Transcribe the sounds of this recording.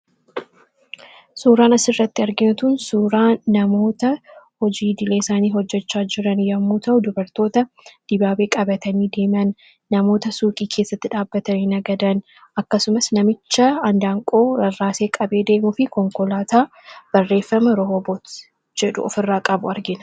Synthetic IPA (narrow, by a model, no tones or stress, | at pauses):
suːɾaːnɐsɪrːɐt̪ːɪɐɾɡɪnt̪ʊnsuːɾaːnɐmo̞ːt̪ɐhɔd͡ʒiːd̪ɪleːɪsaːniːɦɔd͡ʒːɛt͡ʃːaːd͡ʒɪɾɐnjɐmːuːt̪ɐʔʊd̪ʊbɐɾt̪o̞ːt̪ɐ | d̪̥ɪbaːbe̞ːkʼɐbɐt̪ɐniːd̪e̞ːmɪɐnː | ɐmo̞ːt̪ɐsuːkʼiːkʰe̞ːsːɐt̪ːɪᶑaːbːɐt̪ɐniːnɐɡɐd̪ɐn | ɐkːɐsʊmɐsnɐmɪt͡ʃːɐɐnd̪aːŋkʼoːɾɐrːaːse̞ːkʼɐbe̞ːd̪e̞ːmʊfɪkɔŋkɔlaːt̪aː | b̥ɐrːe̞ːfːɐmɐɾɔɦobot̪ | d͡ʒɛᶑʊ̰ɔ̰fɪrːaːkʼɐbʊɐɾɡɪnɐ̥